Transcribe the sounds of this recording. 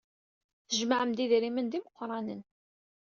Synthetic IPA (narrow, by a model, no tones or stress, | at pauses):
θəʒmaʕəmd̪iðɾimənd̪iməqːɾˤɑnən